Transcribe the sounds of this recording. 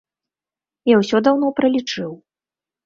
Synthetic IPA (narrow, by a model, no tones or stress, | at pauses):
jawsʲɔd̪awn̪ɔpɾɐlʲit͡ʂɨw